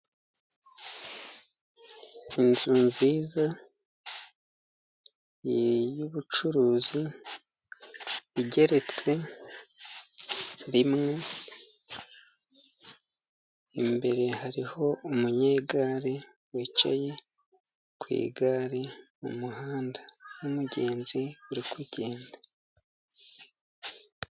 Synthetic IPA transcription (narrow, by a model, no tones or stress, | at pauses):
inzuːnziːza | jejuβut͡ʃuɾuːzi | iɟe̞ɾe̞t͡se̞ | ɾimŋe̞ | imbe̞ɾe̞haɾiho̞umuɲeːɡaɾe | wet͡ʃa̰je̞ | kwḭːɡaɾemṵmuhaːndanumuɟe̞ːnziuɾikʰuɟe̞ːnda